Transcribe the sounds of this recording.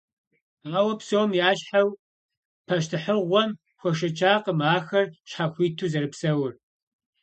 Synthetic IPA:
ʁɐwɐpsowmjaːɕħaw | pʰɐɕtʰɨħəʁʷɔm | xʷɔʃ̬ɐt͡ʃʰʼaːqəmaːxɐrɕħaxʷiːtʰuːzɐɾɨpsɐwʊr

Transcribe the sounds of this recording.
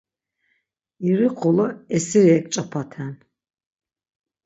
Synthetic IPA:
iɾiqʰɔlɔɛsiɾɛɛkʼt͡ʃʼapʰat̪ʰan

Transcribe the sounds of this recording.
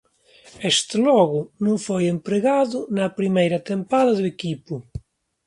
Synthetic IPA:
est̪ɪlɔɣʊnũŋfojẽmpɾeɣaðʊnɐpɾimejɾɐt̪empaðɐðuekipʊ

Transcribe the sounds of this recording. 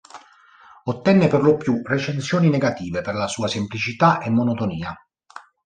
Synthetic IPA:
ot̪ːɛnːeperlopjuret͡ʃensjoːnineɡat̪iːveperlasuːasemplit͡ʃit̪aʔemːonot̪oniːa

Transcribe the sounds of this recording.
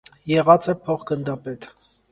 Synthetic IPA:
jɛʁɑt͡sɛpʰɔχɡənd̪ɑpɛt̪

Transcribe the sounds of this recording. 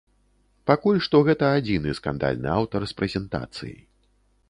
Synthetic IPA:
pakulʲʂt̪ɔɣɛt̪ɐːd͡zʲinɨ̰ska̰nd̪a̰lʲnɨ̰awt̪ɐrspɾɛzʲɛnt̪a̰t̪sɨ̰jḭ

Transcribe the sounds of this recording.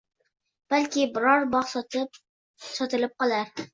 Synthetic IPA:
b̥alkʲɪbɪɾɒɾbɒqs | sɒt̪ɪlɪp̚qʰɒlˠaɾ

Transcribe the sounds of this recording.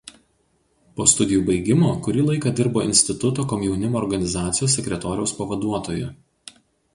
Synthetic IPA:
poːst̪ʊd̪ʲɪjuːbɐɪɡʲɪmoːkʊɾʲiːlˠɐɪkɐd̪ʲɪɾboːɪ̰nʲsʲt̪ʲɪt̪ʊt̪oːkɔmʲjɛʊnʲɪmoːɾɡɐnʲɪzɑːt̪sʲɪjoːsːʲɛkʲɾʲɛt̪oːɾʲɛʊspɐʋɐd̪uɔt̪oːjʊ̰

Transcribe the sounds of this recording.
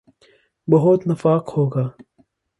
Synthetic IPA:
bɐɦʊt̪nɐfaːqhoːɡaː

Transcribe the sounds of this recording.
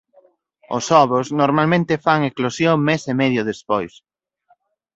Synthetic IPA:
ʊ̰sɔβɾʊznoɾmalmẽnt̪efaŋeklosjomesemɛðjʊðespojs

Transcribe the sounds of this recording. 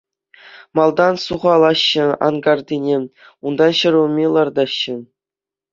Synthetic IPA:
mɑlˠd̪ɑnsuʁɑlˠɑɕːɘ̆ɑ̰nɡɑrd̪ʲinʲe | und̪ɑnɕɤ̆ɾʲulmʲelˠɑrd̪ɑɕːɘ̆

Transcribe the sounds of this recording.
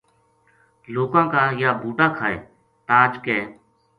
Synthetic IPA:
loːkãːkaːjaːbʱuːʈãːkʰaːḛː | t̪ãːd͡ʒkeː

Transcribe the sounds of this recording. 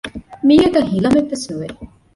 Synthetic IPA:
miːɐɡ̪ɐɦilɐmeʋːesuʋe

